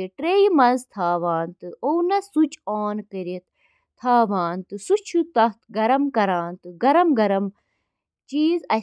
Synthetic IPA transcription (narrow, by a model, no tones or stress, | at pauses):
iʈɾeimɐzt̪ʰaːʋaːnt̪ɨownɐsut͡ʃʰoːnkəɾit̪̚ | t̪ʰːaːʋaːnt̪ɨsut͡ʃʰut̪ɐt̪ʰɡɐɾɐmkɐɾaːnt̪ɨɡɐɾɐmɡɐɾɐm | t͡ʃiːzɐ